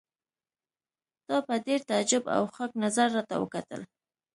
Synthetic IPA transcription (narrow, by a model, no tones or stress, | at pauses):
d̪̥ɑpəd̪eɾt̪ad͡ʒʊba̰wxaknazaɾːɑt̪awə̰kat̪ə̰l